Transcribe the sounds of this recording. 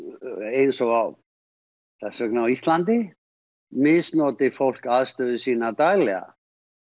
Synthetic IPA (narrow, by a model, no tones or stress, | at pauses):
ejnsɔɣaw | θɛsœknawist̪lant̪ɪ | mɪðsnɔːt̪ɪfowl̥kaðst̪œːðʏsiːnat̪ajlɛɣa̰